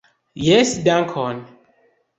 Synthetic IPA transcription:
jɛsdãŋkʰɔn

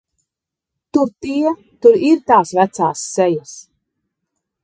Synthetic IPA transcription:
t̪uɾt̪iɛ | t̪uɾiɾt̪aːsvæt̪saːsːɛjas

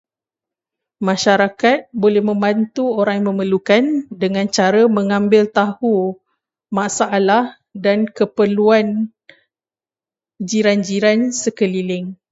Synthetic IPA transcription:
mãʃaɾakat̪̚bolɛhmə̃mbant̪uoɾaŋjmə̃məlukandəŋãnt͡ʃaɾəmə̃ŋãmbɪlt̪ahu | masaʔːlah | dankəpəluan | d͡ʒiɾand͡ʒiɾansəkəlilɪŋ

